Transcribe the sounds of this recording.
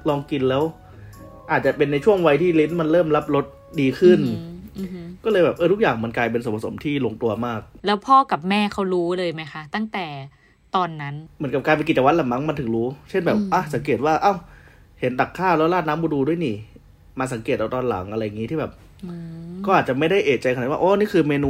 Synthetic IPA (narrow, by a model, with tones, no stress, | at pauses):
lɔː˧ŋki˧nlɛː˦˥w | ʔaː˨˩t̪̚t͡ɕa˨˩pe˧nːa˧jt͡ɕʰu˥˩əŋwa˧jt̪ʰiː˥˩li˦˥nma˧nlɤː˥˩mla˦˥p̚ɾo˦˥t̪̚ | diː˧kʰɯ˥˩n | kɔː˥˩lɤː˧jbɛː˨˩p̚ʔɤː˧˩t̪ʰu˦˥k̚jaː˨˩ŋma˧nklaː˧jpe˧ns̬o˩˦pʰa˧˩so̰˩˦mt̪ʰiː˥˩lo˧ŋt̪u˧ɐmaː˥˩k̚lɛː˦˥wpʰɔː˥˩ka˨˩p̚mɛː˥˩kʰa˦˥wɾuː˦˥lɤː˧jma˦˥jxʰa˦˥t̪a˥˩ŋt̪ɛː˨˩ | t̪ɔː˧nːa˦˥nmɯ˩˦nka˨˩kaː˧npe˧nki˨˩t͡ɕw̪̚la˨˩ma˦˥ŋma˧nt̪ʰɯ˨˩˦ŋɾuː˦˥t͡ɕʰe˥˩nbɛː˨˩p̚ʔa˧˩sa˩˦keː˨˩t̪̚waː˥˩ʔa˧˥˩w | he˩˦nda˨˩kʰːaː˥˩wlɛ˦˥wlaː˥˩t̪̚naː˦˥mbu˧˦duː˧du˥˩əjniː˨˩ | maː˧s̬a˩˦ŋke˨˩t̪ʔaː˧t̪ɔː˧nla̰˩˦ŋʔa˧ɾa˧jːa˨˩ŋːi˦t̪ʰiː˥˩bɛː˨˩p̚ | kɔː˥˩ʔaː˨˩t̪̚t͡ɕa˨˩ma˥˩jda˥˩jʔeː˨˩t̪̚t͡ɕa˧jkaː˧˨˩wa˥˧ʔoː˦˥niː˥˩kʰɯː˧meː˧nuː˧